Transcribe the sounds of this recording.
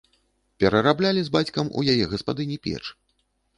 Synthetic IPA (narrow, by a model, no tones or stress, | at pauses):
pʲɛɾɐɾablʲalʲizbat͡sʲkɐmṵjajɛɣɐspad̪ɨnʲipʲɛ̰t͡ʂ